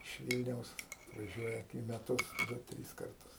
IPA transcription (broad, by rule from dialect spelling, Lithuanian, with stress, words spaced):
ɪʃ ˈʋʲiːlʲnʲɛʊs ɐtʋɐˈʒʲuɔjɛ iː mʲɛˈtʊs ˈdʊ ˈtʲrʲiːs ˈkɐrtʊs